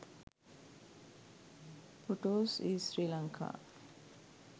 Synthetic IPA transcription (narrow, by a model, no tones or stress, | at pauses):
foʈoːsiːsɾiːlɐŋkʰa̰ː